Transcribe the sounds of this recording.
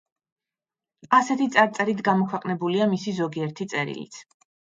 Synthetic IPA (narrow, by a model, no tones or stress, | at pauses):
asɛt̪ʰit̪sʼaɾt̪sʼɛɾit̪ɡamɔkʰwɛqʼnɛbuliamisizɔɡiɛɾt̪ʰit̪sʼɛɾḭlḭt̪sʰ